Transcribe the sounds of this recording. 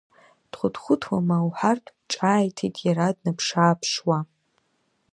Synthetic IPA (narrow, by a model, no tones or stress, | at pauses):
d̥χʷʊdχʷʊtʰwamawħartʼʰʈ͡ʂʼaːjtʰitʼjaɾadnɨpʰʂaːpʰʂwa